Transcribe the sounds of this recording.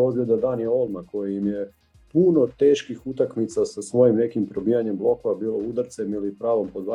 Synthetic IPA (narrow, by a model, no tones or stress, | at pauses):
ozɡlʲed̪ad̪aːnjeo̞lˠmako̞jiimje̞ | puno̞t̪e̞ːʃkixut̪akmit̪sasasʋo̞jimne̞kimpɾo̞bijaɲe̞mblˠo̞ko̞ʋabiːlˠo̞ud̪aɾt̪se̞milipɾaːʋo̞mpod̪ʋa